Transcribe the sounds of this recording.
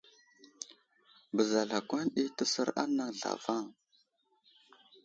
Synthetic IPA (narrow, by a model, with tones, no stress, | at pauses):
bə˨za˨ɮa˨kʷa˦nɗi˦tə˦sə˦ɾa̰˦na˨ŋɮa̰˨va˦˨ŋ